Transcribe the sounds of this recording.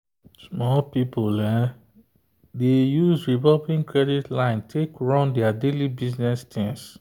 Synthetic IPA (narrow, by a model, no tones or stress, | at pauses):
smɔlpipolɛ | dejuzɹivɔlpĩŋkʰɹɛditlãɪ̃ntʰekɹãndɛadelibiznɛstʰɛ̃ns